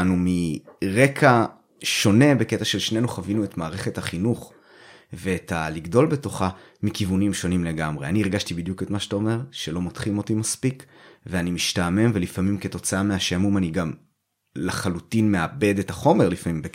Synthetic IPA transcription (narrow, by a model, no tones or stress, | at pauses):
numiʁe̞kʰa | ʃo̞ne̞be̞ketaʃelʃne̞nuχavinuetmaːʁe̞χe̞thaχinuχ | ve̞ːtaliɡdo̞lbe̞to̞χamikivunimʃo̞nimle̞ɡamʁe̞aniiʁɡaʃtibid̪juke̞tmaʃḁtao̞me̞ʁʃelo̞mot̪χimo̞timaspikveanimiʃtame̞mvelifamimke̞to̞t͡saameaʃamumaniɡam | leχalutinmeabe̞dethaχo̞me̞ʁlifamimbe